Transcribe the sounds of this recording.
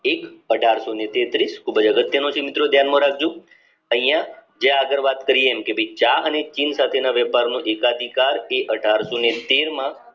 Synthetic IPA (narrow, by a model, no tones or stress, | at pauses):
ekəɖʱaɾsonet̪et̪ɾiskʰubəd͡ʒəɡət̪jənõt͡ʃʰemɪt̪ɾod̪ʱjanmãɾak̚ʰd͡ʒũ | əɦĩjãd͡ʒjãːɡəɾʋat̪kəɾijeːmkebʱəit͡ʃaənet͡ʃinsat̪ʰenaʋɛpaɾnũʔekad̪ʱikaɾeʔəɖʱaɾsonet̪eɾmã